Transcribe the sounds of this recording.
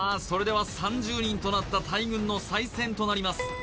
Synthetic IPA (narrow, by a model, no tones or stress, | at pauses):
so̞ɾe̞d̪e̞β̞asãɲ̟d͡ʑɨːɲ̟ĩnt̪o̞nat̪ːat̪aiɡɯ̟̃nːo̞saisẽ̞nt̪o̞naɾʲimasɨ̥